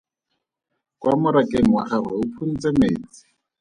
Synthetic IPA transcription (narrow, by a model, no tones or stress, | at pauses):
kwʔamʊɾakʼeŋ̩waχaraʊpʰun̩t͡sʼemeːt͡sɪ̥